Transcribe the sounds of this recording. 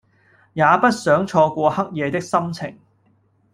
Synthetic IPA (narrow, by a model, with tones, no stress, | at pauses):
jaː˨˧pɐ˥t̚sœː˨˥ŋt͡ʃʰɔː˧kʷɔː˧hɐ˥k̚jɛː˨˧t̪ɪ˥k̚sɐ˥mt͡sʰɪ̰˨˩ŋ